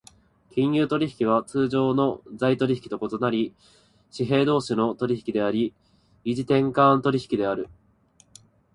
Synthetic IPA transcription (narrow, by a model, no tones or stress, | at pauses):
kʲĩɰ̃jɯːt̪o̞ɾʲiçi̥kʲiβ̞at͡sɨːʑo̞ːno̞d͡zait̪o̞ɾʲiçi̥kʲi̥t̪o̞ko̞t̪o̞naɾʲi | ɕiɦe̞ːd̪o̞ːɕino̞t̪o̞ɾʲiçi̥kʲid̪e̞aɾʲi | iʑit̪ẽ̞ŋkãnt̪o̞ɾʲiçi̥kʲid̪e̞aɾɯ̟